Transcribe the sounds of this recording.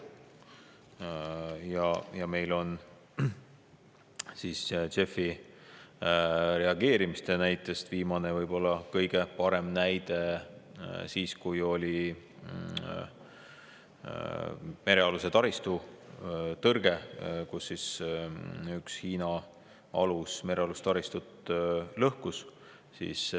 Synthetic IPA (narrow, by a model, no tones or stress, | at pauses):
jɑjɑme̞jlo̞n | siːst͡ʃe̞fːi | ɾe̞ɑɡ̥e̞ːɾimist̪e̞næjt̪ːˑe̞st̪viːmɑne̞vɤjb̥o̞lːɑkɤjɡ̥e̞pɑɾe̞mnæjd̪̥e | siːskujo̞lʲi | me̞ɾe̞ɑluse̞t̪ɑɾist̪u | t̪ɤrɡ̥e̞kusːis | ykshiːnɑ | ɑlusme̞ɾe̞ɑlust̪ɑɾist̪ut̪lɤhkus | sḭːs